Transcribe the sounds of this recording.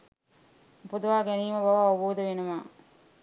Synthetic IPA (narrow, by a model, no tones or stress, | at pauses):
pud̪uʋaːɡɛniːmɐbɐʋɐːʋuboːd̪ɐʋenumaː